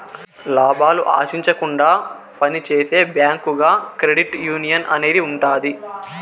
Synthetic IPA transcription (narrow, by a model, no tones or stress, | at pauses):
laːbaːluʔa̰ːʃiɲt͡ʃɐkuɳɖaː | pɐnit͡ʃeːse̞ːbjaːŋkuɡaːkɾeɽiʈjuːnijɐnʔɐ̰ne̞ːd̪iuɳʈaːd̪i